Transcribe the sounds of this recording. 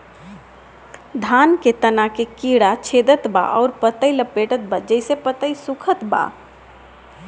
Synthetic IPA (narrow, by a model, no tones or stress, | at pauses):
d̪ʱanket̪ənakekiɽat͡ʃʰed̪ət̪ba̰ʔɔʊɾpət̪əjləpeʈət̪̚bad͡ʒəɪsepət̪əjsukʰət̪ba̰